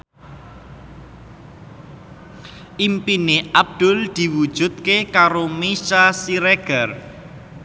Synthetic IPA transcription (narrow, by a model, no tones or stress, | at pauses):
ʔimpineʔab̚d̪̥ʊ̤ld̪̥i̤wud̥ʒ̥ṳt̪̚kekaɾomiʃasiɾɛɡ̥ər